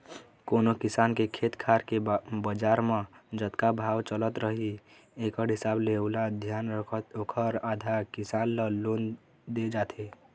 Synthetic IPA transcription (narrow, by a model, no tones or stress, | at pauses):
koːnokɪsaːnkekʰeːt̪kʰaːɾkebəd͡ʒaːɾmãd͡ʒət̪kabʱaːwt͡ʃələt̪ɾəɦi | eːkəɾɦɪsaːbleʊlad̪ʱjaːnɾəkʰət̪okʰəɾaːd̪ʱaɾkɪsaːnləloːn | d̪ed͡ʒaːt̪ʰe